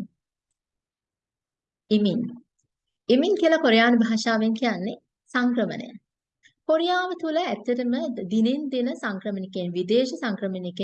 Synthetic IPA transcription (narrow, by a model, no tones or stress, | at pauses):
imiŋ | emiŋkiəlɐkoɾejaːnubʱaːʃaːʋeŋkijanːe | saŋkrəmə̰nə̰jə̰ | koɾijaːʋət̪uləæt̪ːɐʈəməd̪inend̪inəsaŋkrəmənikenʋid̪eːʃəsaŋkɾəmənike